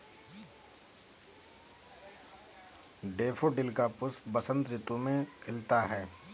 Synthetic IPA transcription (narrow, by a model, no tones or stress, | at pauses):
ɖeːfʰoɖɪlkapʊsbəsə̃nt̪ɾɪt̪umẽkʰɪlt̪aɦɛː